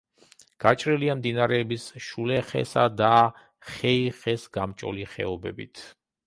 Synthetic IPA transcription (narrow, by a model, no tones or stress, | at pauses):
ɡ̥at͡ʃʼɾiliamd̪inaɾɛːbisʃulɛχɛ̰sad̪a | χɛiχɛsɡ̥amt͡ʃʼɔ̰liχɛ̰ɔbɛbḭt̪ʰ